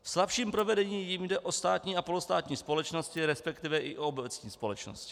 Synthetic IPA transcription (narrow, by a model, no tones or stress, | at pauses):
fslapʃiːmpɾo̞vɛdɛɲiːjimdɛʔost̪aːt̪ɲiːapo̞lust̪aːt̪ɲiːspo̞lɛt͡ʃno̞scɪɾɛspɛkt̪ɪvɛʔɪʔoobɛt͡sɲiːspo̞lɛt͡ʃno̰scɪ̥